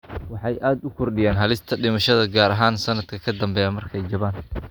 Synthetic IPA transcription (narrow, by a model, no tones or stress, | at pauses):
wɑħɑjʔaːd̪ʊkʰɔrɖɪjaːnɦɐlɪst̪ʰɐɖɪmɐʃɐðɐɡaːɾɐɦaːnsɐnɐd̪kʰɐkʰɐd̪ɐmbɛːjamɐrkʰɛjd͡ʒɐβaːn